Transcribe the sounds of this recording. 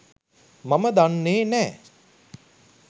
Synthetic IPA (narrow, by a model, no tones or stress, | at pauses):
maməd̪anːeːnɛː